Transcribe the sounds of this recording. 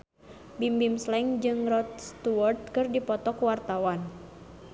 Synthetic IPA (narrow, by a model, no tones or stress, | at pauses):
bimbimslɛŋd͡ʒɨŋrɔt̪̚st̪uwɔrt̪̚kɨrdipɔt̪ɔkwart̪awan